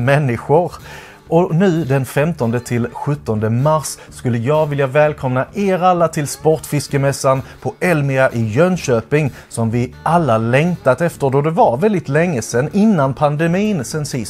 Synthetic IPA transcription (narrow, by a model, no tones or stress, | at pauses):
mɛnːɪɧʊɾ | ʔɔnʉ̟ːd̪ɛnfɛmt̪ɔnd̪ət̪ʰɪlɧɵt̪ːɔnd̪əmaɾsːkɵlːəjɑːɡvɪljavɛːlkʰɔmnaʔeːɾalːat̪ʰɪlspɔʈfɪskəmɛsːanpʰɔʔɛlmɪaʔɪjœnɕøːpɪŋ | sɔmvɪʔalːalɛŋt̪at̪ɛft̪əɖ̪ɔd̪ɛvaɾvɛld̪ɪt̪lɛŋːəsɛnːɪnːanpʰand̪ɛmiːnsɛnsɪs